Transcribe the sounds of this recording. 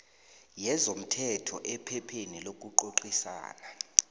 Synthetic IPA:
jɛzom̩tʰɛtʰɔʔɛpʰɛpʰenilok̬ʼuǃoǃisa̰ːna

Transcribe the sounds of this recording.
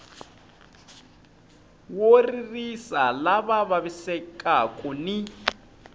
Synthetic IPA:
woririsalaβaβaβisɛkʼakʼuni

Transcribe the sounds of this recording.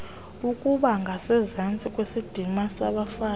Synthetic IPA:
ukʼuɓaŋɡʱasɛzant͡sʼikʼwesid̥ʱimasaɓafaː

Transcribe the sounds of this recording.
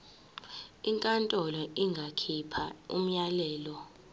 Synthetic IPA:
iŋkʼantʼɔlɔʔiŋɡʱakʰipʰa̰ṵm̩ɲalɛːlɔ

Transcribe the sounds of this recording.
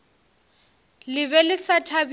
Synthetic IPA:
lɪβɛlɪsatʰab

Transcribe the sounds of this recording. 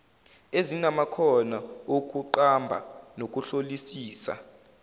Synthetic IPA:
ezinamakʰɔnaok̬ʼuǃambʱa̰nok̬ʼuɬolisiːsa̰

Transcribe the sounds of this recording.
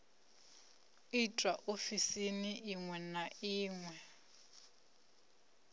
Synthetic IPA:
itʼwaʔofisiniʔiŋwɛnaiːŋwɛ

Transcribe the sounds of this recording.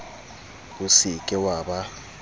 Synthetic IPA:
usikʼɛwaːɓa

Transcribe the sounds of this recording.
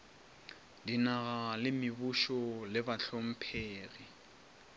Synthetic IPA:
dinaɣalɪmɪbuʃɔlɪbaɬʰom̩pʰeːri

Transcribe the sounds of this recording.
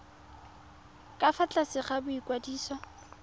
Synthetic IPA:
kʼafat͡ɬʼasɪχabʊikʼwadiːsɔ

